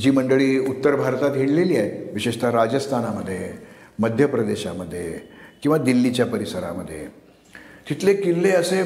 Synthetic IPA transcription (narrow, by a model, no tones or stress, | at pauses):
d͡ʑiːməɳɖəɭiːut̪ːəɾbʱaɾt̪at̪ɦeɽleliːaj̪ʋiɕeɕt̪ʰaɾad͡ʑəst̪ʰanaməd̪ʱːjeməd̪ʱjəpɾəd̪eɕaməd̪ʱːjekĩw̃ʋad̪ilːit͡ɕjapəɾisəɾa̰məd̪ʱːje | t̪it̪ʰlekilːeəse